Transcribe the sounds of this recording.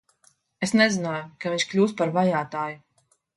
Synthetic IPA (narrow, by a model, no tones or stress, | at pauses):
esnɛzɪnaːjʊkaviɲʃkʎʲuːspaɾvajaːt̪aːju